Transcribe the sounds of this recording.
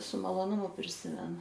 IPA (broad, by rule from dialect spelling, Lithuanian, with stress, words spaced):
sʊ mɐlˠoːˈnʊmʊ pʲrʲɪˈsʲɪmʲɛnʊ